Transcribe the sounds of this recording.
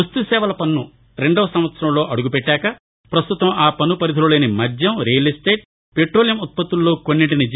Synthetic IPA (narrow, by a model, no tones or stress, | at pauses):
ust̪usɛːʋɐlɐpɐnːu | ɾe̞ɳɖɐːʋɐsɐmʋɐt̪sɐɾɐmlo̞ːʔɐɽuɡupeʈːaːkɐ | pɾɐst̪ut̪ɐmaːpɐnːupɐɾid̪ʱululeːnimɐdʱjɐmɾeːɐlisʈ̪eːʈ̚ | peʈɾoːlijɐmut̪̚pɐt̪ːulːo̞ːkonːiʈinid͡ʒ